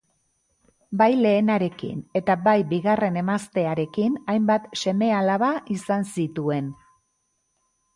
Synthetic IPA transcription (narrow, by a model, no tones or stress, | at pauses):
bajle̞ːnaɾe̞kḭne̞t̪abajbiɣare̞ne̞mast̪e̞aɾe̞kinajmbat̪se̞me̞alaβaʔisansit̪ue̞n